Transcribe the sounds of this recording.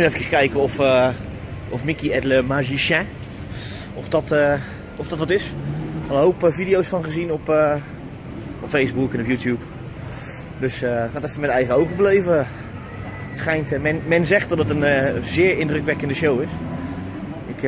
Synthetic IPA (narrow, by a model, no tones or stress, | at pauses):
ɪfəkəskɛjkəɔf | ɔfmɪkiɛdləmaʒiʃɛ̃ | ɔfdɔtə | ɔfd̥ɔtʋɑtɪsɔlˠəɦowpəvidijowsfɑnχəzinɔpə | ɔpfejzbukɛnɔpjutʰjup | døsχaːtɛftəmɛtɛjχəowχəbəlejvə | sχɛjntmɛnmɛnzɛχtdɔtənzɪːɹɪndrəkʋɛkəndəʃowɪs | ʔɪk